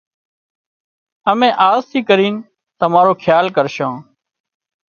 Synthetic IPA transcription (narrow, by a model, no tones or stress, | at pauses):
əmẽːʔaːzt̪ʰiːkəɾiːn | t̪əmaːɾoːkʰjaːlkəɾʃãː